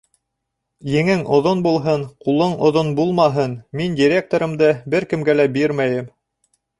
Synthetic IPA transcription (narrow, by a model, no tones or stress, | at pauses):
jɘ̆ŋɘŋʔŏðonbulˠɦɤɴqulˠɤɴŏðonbulˠmɑɦɤnmindʲiɾʲek̚t̪oɾɤ̆md̪ɤbɘɾkɘ̆mɡælæbiɾmæjɘm